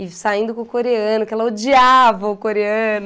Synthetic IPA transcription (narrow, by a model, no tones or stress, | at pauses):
ɪsaĩnd̪ʊkõkoɾeɐ̃nʊkɛlɐod͡ʒiavɐʊkoɾeɐnʊ